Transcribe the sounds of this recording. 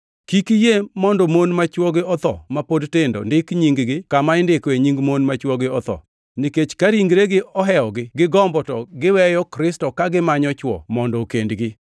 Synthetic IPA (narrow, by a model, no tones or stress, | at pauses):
kikijemɔndɔmonmat͡ʃwɔɡɪɔt̪ɔ̰mapodtɪndo̰ndɪkɲiŋɡɡɪkamaɪndɪkeɲiŋɡmonmat͡ʃwɔɡɪɔt̪ɔ̰ | niket͡ʃkaɾiŋɡɾeɡɪɔɦɛɔɡɪɡɪɡɔmbɔtɔɡɪwɛjɔkɾɪstɔkaɡɪmaɲɔt͡ʃwɔ̰mɔndɔkendɡɪ